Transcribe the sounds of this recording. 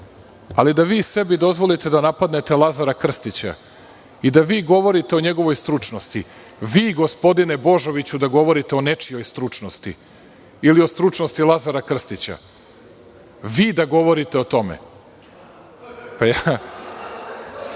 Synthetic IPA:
a̰lid̪aʋiːse̞bid̪o̞zʋo̞lit̪e̞d̪anapad̪ne̞t̪elˠazaɾakr̩st̪it͡ɕa̰ | id̪aʋiːɡo̞ʋo̞ɾit̪eo̞ɲeɡo̞ʋo̞jst̪ɾut͡ʂnost̪i | ʋiːɡo̞spo̞d̪ine̞bo̞ʒo̞ʋit͡ɕud̪aɡo̞ʋo̞ɾit̪eonet͡ʂijo̞jst̪ɾut͡ʂnost̪ḭ | ilio̞st̪ɾut͡ʂnost̪ilˠazaɾakr̩st̪it͡ɕa̰ | ʋiːd̪aɡo̞ʋo̞ɾit̪eo̞t̪o̞mḛ | paja

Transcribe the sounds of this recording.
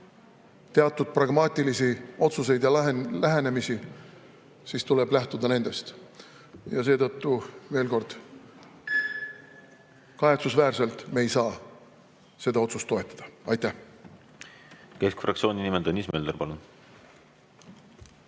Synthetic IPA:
t̪e̞ɑt̪ːˑud̪̥̚prɑɡ̥mɑːt̪ʲːˑilisio̞t̪suse̞jd̪̥jɑlæɦe̞ne̞misi | siːst̪ule̞b̥læht̪ud̪ɑne̞nd̪̥e̞st̪ | jɑs̬e̞ːt̪ɤt̪ːuve̞ːlko̞rd̪̥ | kɑet̪susvæːrse̞lt̪me̞jsɑː | se̞d̪ɑo̞t̪sust̪ːo̞e̞t̪ːˑɑ̥d̪̥ɑɑjt̪ːæh | ke̞skfrɑk̚tsio̞ːnʲinimed̪onːiːsmeːld̪eɾpɑlun

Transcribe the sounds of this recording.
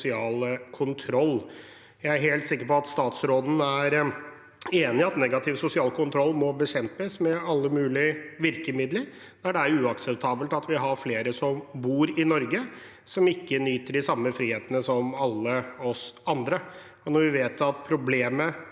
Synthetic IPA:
sɪɑːlkʰʊnt̪ʰɾɔlː | jæɪæɾɦeːlt̪sɪkːəɾpɔɑt̪st̪ɑːt̪sɾoːd̪n̩æɾ | eːnɪɑt̪nɛɡɑt̪ʰɪʋsʊsɪɑːlkʰʊnt̪ʰɾɔlːmɔbəɕɛmpəsmɛɑlːəmʉːlɪʋɪɾkəmɪd̪ləɾ | d̪æɖɛæɾʉːɑksɛp̚t̪ʰɑːbəlt̪ɑt̪ʋɪɦɑɾfleːɾəsɔmbuːɾɪnɔɾɡə | sɔmɪkːənyːt̪əɖɪsɑmːəfɾiːheːt̪ənəsɔmɑlːəɔsɑnd̪ɾə | ɔnɔɾʋɪʋeːt̪ɑt̪̚pʰɾʊbleːmə

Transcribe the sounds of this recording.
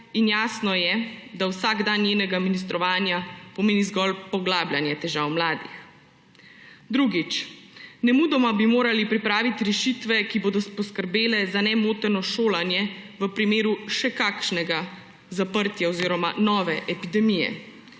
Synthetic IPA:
injaːsnɔjɛd̪awsaːɡd̪anjeːnɛɡaminist̪ɾɔʋaːnjapɔmeːnizɡɔlpɔɡlaːblʲjanjɛt̪ɛʒaːwmlaːd̪ix | d̪ɾuɡit͡ʃnɛmuːd̪ɔmabimoːɾalipɾipɾaːʋit̪iɾɛʃit̪ʋɛkiboːd̪ɔspɔskəɾbeːlɛzanɛmoːt̪ɛnɔʃoːlanjɛʋəpɾimeːɾuʃɛkaːkʃnɛɡa | zapəɾt̪jaɔziːɾɔma̰nɔːʋɛʔɛpid̪ɛmijɛ̰

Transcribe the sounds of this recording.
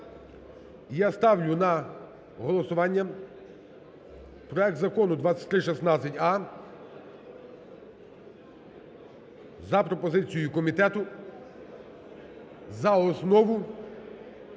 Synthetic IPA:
jast̪ɑwlʲʊnɐ | ɦɔlˠɔsʊʋɑnʲːɐ | pɾɔɛk̚t̪zɐkɔnʊd̪ʋɑt͡sʲːɐ̥t̪̚ʲɾɪʃɛsnɑt͡sʲːɐtʲɑ | zɐpɾɔpɔzɪt͡sʲijʊkɔmʲit̪ɛt̪ʊ | zɐɔsnɔʋʊ

